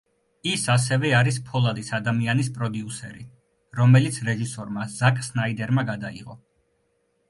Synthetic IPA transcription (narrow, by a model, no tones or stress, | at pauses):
isas̬ɛvɛaɾispʰɔlˠad̪isad̪amianispʼɾɔd̪iusɛ̰ɾḭ | ɾɔmɛlit̪sʰɾɛʒisɔɾmazakʼsnaid̪ɛɾmaɡad̪aḭʁɔ̰